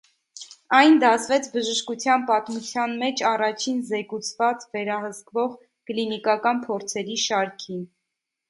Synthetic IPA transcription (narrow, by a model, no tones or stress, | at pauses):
ɑjnd̪ɑsvɛt͡sʰbəʒəʃkut͡sʰjɑnpɑt̪mut͡sʰjɑnmɛt͡ʃʰɑrɑt͡ʃʰinzɛkut͡sʰvɑt͡svɛɾɑhəskvɔʁ | klinikɑkɑnpʰɔɾt͡sʰɛɾiʃɑɾkʰin